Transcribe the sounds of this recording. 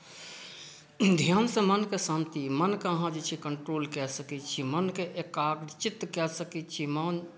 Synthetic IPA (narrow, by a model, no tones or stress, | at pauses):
d̪ʱijansẽmənkesãːmt̪imənkeəɦãd͡ʒit͡ʃʰikəɳʈɾoːlkɛsəkit͡ʃʰimənkeʔekaːɡɾt͡ʃɪt̪ːkɛsəkit͡ʃʰimən